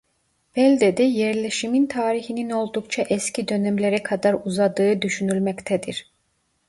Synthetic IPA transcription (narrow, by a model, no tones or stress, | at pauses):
b̥ɛlʲd̪ed̪ɛjɛɾlʲeʃimint̪ʰaːɾiçinino̞lˠd̪ukt͡ʃʰaʔɛscʰid̪ø̞nɛmlʲeɾɛkʰad̪aɾuzad̪ɯːɯd̪yʃynylʲmɛct̪ʰɛd̪iɾ̥